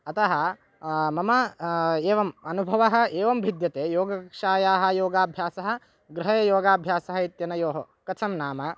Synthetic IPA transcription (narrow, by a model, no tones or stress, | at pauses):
ɐt̪ɐɦɐ̆ | mɐmɐeːʋɐmɐnubʱɐʋɐɦɐ̆eːʋɐmbʱid̪jɐt̪eːjoːɡɐkʂaːjaːɦɐ̆joːɡaːbʱjaːsɐɦɐ̆ | ɡɾɪɦɐjɐjoːɡaːbʱjaːsɐɦɐit̪jɐnɐjoːɦɐ | kɐt͡ʃʰɐmnaːmɐ